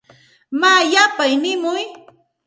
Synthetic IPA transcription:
maːjapajnɪmʊj

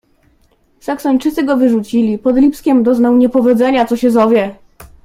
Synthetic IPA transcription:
saksɔɲʲt͡ʂɘt̪sɘɡɔvɘʐut͡ɕilʲipɔd̪lʲipskʲɛmd̪ɔznawɲɛpɔvʲɔd̪zɛɲat̪sɔɕɛzɔvʲjɛ

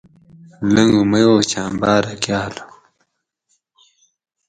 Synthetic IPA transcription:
ləŋumɐjoːt͡ɕaːmbaːɾɐkjaːlo

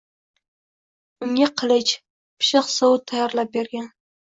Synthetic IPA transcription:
ʊŋʲaqʰɨlˠɪt͡ʃ | pʰɪ̥ʃɪqsawt̪ʰːɑjɑɾlˠap̚beɾɡʲan

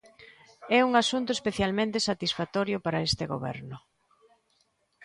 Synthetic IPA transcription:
ɛuŋasunt̪ʊespeθjalmẽnt̪esat̪isfat̪ɔɾjʊpaɾaest̪eɣo̰βɛ̰ɾnʊ

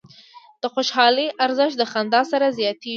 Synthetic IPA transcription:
d̪̥əxoʃhɑləʔaɾzəʃt̪d̪əxand̪ɑsaɾazjɑt̪e

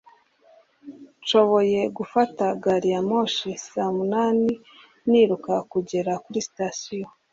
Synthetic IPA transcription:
ʃo̞βo̞je̞ɡufataɡaɾijamoʃisamunaːni | niɾukakuɟe̞ɾakuɾisi̥tasijo

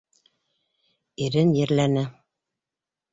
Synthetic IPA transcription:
iɾɘnjɘ̆ɾlænɘ

